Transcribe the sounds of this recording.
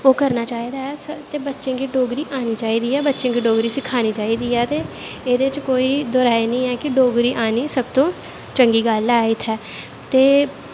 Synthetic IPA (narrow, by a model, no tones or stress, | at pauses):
oːkəɾnaːt͡ʃaːiːd̪aːɛːsət̪eːbətːʃẽːkiːɖoːɡɾiːʔaːniːt͡ʃaːiːd̪iːɛːbətːʃẽːɡiːɖoːɡɾiːsɪkʰaːniːt͡ʃaːiːd̪iːɛːt̪eːeːd̪eːɪt͡ʃkoːiːd̪ɔːɾaːenĩːɛːkɪɖoːɡɾiːʔaːniːsəb̚t̪õː | t͡ʃəŋɡiːɡəlaːiːt̪ʰɛː | t̪eː